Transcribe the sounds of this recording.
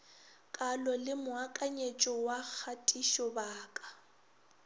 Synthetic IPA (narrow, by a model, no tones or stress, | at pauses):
kʼalɔlɪmʊakʼaɲet͡ʃʼɔwak͡xʰatʼiʃɔbaːkʼḁ